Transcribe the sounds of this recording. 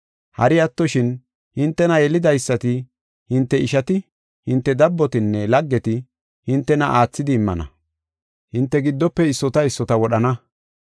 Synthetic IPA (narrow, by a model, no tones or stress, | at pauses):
hɐ̰ɾɪjɐt̪ːɔʃɪn | hɪnt̪ːɛnɐjɛlɪd̪ɐjsːɐt̪ɪ | hɪnt̪ːɛɪʃɐt̪ɪ | hɪnt̪ːɛd̪ɐbːɔt̪ɪnːɛlɐɡːɛt̪ɪ | hɪnt̪ːɛnɐʔaːt͡sːɪd̪ɪːmːɐ̰nɐ̰ | hɪnt̪ːɛɡɪd̪ːɔpːɛɪsːɔt̪ɐɪsːɔt̪ɐwɔɗɐnɐ